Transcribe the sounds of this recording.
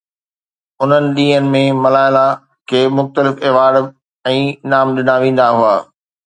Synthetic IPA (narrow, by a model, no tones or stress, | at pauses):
ʊn̤ənɪ̆ɗ̪iːɦənɪ̆mẽmɐlaːɪla | kʰeːmʊxt̪əlɪfɪːʋaːɾ | ɛ̃ːnaːmɗɪnaʋẽːn̆d̪aɦuaː